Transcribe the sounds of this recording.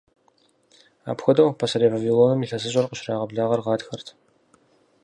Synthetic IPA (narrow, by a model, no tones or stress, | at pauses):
a̰ːpxʷʊdɐwpʰɐsɐɾeːvɐviloːnɐmiɬɐzɨɕʼɐrqəɕraːʁɐbɮaːʁɐrʁɑːdxɐrtʰ